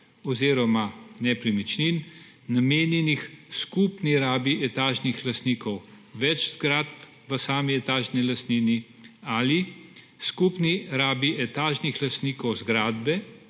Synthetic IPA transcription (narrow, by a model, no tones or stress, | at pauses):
ɔziːɾɔmanɛpɾimit͡ʃninː | ameːnjɛnixskupniɾaːbiʔɛt̪aːʒnixlast̪niːkɔw | ʋɛt͡ʃz̥ɡɾat̪̚p | ʋəsaːmiɛt̪aːʒnilɐst̪niːni | ali | skupniɾaːbiʔɛt̪aːʒnixlast̪niːkɔwzɡɾaːd̪bɛ